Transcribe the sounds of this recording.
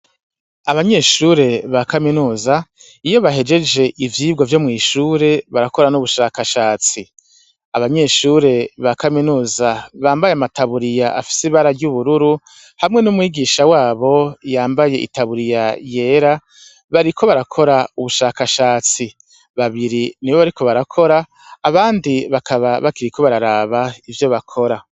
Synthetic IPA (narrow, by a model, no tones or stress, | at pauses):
aβaɲe̞ːʃuɾe̞βakaminuːza | ijo̞βaɦe̞d͡ʒe̞d͡ʒe̞ʔivjiːbɡovjo̞mŋiːʃuːɾe̞βaɾako̞ɾanuβuʃaːkaʃaːt͡si | aβaɲe̞ːʃuɾe̞βakaminuːzaβaːmbajeamatʰaβuɾijaʔafi̥siβaɾaɾɟuβuɾuɾu | hamŋe̞numwiːɡiʃawaːβo̞jaːmbaje̞ʔḭtaβuɾijaje̞ːɾa | βaɾikʰo̞βaɾakʰo̞ɾauβuʃaːkaʃaːt͡si | βaβiɾiniβo̞βaɾiko̞βaɾakʰo̞ɾaː | βaːndiβakʰaβaβakiɾikʰo̞βaɾaɾaːβaivjo̞βakʰo̞ɾa